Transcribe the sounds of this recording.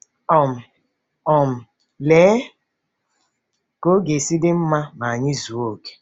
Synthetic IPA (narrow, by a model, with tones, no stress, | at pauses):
ɔ˨m̩˨ | ɔ˨m̩˨ | leː˨˦ | ko˦ɡe˨si˦dɪ˦m̩˦ma˦ma˨a˨ɲɪ˦zu˨o˦ke̥˨